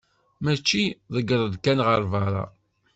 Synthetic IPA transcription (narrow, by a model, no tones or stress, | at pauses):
mæt͡ʃːiðˤəɡəɾˤəd̪kænʁəɾˤvəɾˤɑ̰